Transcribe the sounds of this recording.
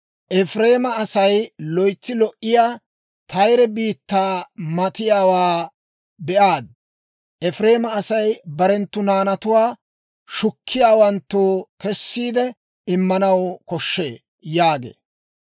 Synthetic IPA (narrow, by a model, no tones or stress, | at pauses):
ʔɛfɾe̞ːmɐːsɐjlɔjt͡sːɪlɔʔːɪjaː | t̪ʰɐjɾɛbiːt̪ːaːmɐt̪ɪjaːwaː | bɛʔaːd̪̚ | ʔɛfɾe̞ːmɐːsɐjbɐɾɛnt̪ːʊnaːnɐt̪ʊwaː | ʃʊkʰːɪjaːwɐnt̪ːoːkɛsːiːd̪ɛ | ɪmːɐnɐwkɔʃːeː | jaːɡḛː